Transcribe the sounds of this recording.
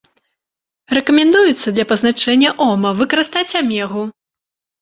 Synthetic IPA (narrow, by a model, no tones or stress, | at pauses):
rɛkɐmʲɛnd̪ujɛt̪sːɐd̪lʲɐpɐznat͡ʂɛnʲːɐʔɔmɐvɨkɐɾɨst̪at͡sʲamʲɛɣu